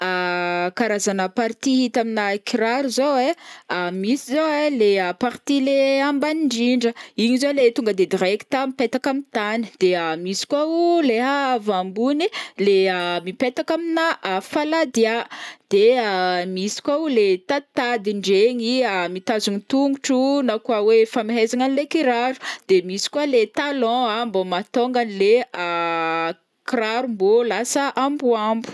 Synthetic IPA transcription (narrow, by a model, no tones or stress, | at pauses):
akaɾazanəpaɾt̪iɦit̪aminaekiraɾuzoweamisizoeleəpaɾt̪ileambaniɳɖ͡ʐiɳɖ͡ʐəiɲizolet̪uŋɡəd̪ed̪iɾeki̥t̪amipet̪akamint̪ani̥d̪̥eamisi̥kwauleɦavambunileəmipet̪akaminaafalad̪iad̪̥eamisi̥kʷaulet̪at̪ad̪iɳɖ͡ʐeŋiamit̪azuŋit̪uŋɡuʈ͡ʂunakwawefamiɦezaŋanilekiɾaɾu̥d̪̥emisi̥kwalet̪alɔ̃ambomat̪oŋɡanilea | kiraɾumbolasəʔambuambu̥